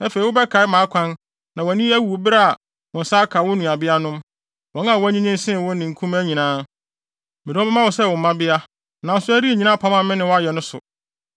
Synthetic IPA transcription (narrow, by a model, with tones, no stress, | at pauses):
æ˦fe˨i˨wʊ˦bɛ˦kʰa˨˦ɪ˦mãː˨˦kʷʰã˦n | nã˨wnĩ˦æ˦wu˨o˨bɾa˦a˨ | wʊ̃˨n̩˨sa˦kʰa˨wʊ˦nũ˨a˨bɪ˦a˦nʊ̃˦m | wɔ̃˨˦n˦a˨wʊ˦æ˦ɲĩ˦ɲĩ˦n˦sɪ̃˦˨wʊ̃˦nɪ̃˨ŋ̩˨kʰũ˦mæ˦ɲĩ˨nãː˦ | mɪ̃˨ɾɔ̃˦bɛ˦mã˦wʊ˨sɛ˦˨wʊ˨m̩˨mã˦bɪ˦a˦ | nã˨n˦sʊ˦æ˦ɾi˦e˨ɲĩ˨nã˦pʰa˦mã˦˨˦mɪ̃˦nɪ̃˨wʊ̃˦a˦jɛ˨nʊ̃˦sʊ̰˨